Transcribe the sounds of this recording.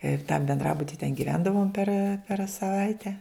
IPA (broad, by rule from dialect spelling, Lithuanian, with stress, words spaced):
ɪr tɐm bʲɛnˈdrɑːbʊtʲɪ tʲɛn ɡʲɪˈʋʲɛndɐʋoːm pʲɛr pʲɛr sɐˈʋɐɪtʲɛ